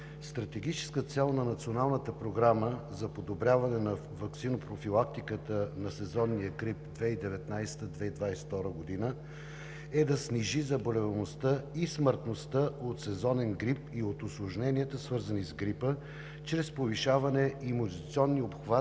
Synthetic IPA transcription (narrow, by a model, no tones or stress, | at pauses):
st̪ɾɐt̪ɛɡ̟it͡ʃɛ̥skət̪sɛlˠnɐnɐt̪sionalˠnət̪əpɾoɡɾaməzɐpod̪obɾʲjavɐnɛnɐ | vɐksinopɾofilˠak̚t̪ikət̪ənɐsɛzɔnːijəɡɾip̚d̪vɛid̪ɛvɛt̪najst̪əd̪vɛid̪vajsɛ̥ft̪ɔɾəɡod̪inə | ɛd̪ɐsniʒizɐbolɛvɐmost̪əisməɾt̪nost̪əot̪sɛzɔnɛnɡɾipiot̪ʊslˠoʒnɛniət̪əsvɤɾzənizɡɾipə | t͡ʃɾɛspoviʃavɐnɛimonzt̪sʲiɔnːiopxva